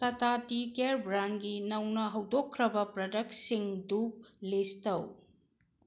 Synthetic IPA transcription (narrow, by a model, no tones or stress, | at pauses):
tɐtatikeɾbɾanɡinɐwnɐɦɐwdokʰːɾɐbɐpɾɐdɐk̚siŋdulistɐw